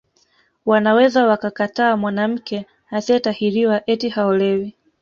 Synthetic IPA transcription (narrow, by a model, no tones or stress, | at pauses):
wanawɛzawakakataːmwanam̩kɛ | hasiɛtahiɾiwaʔɛtihaɔlɛwi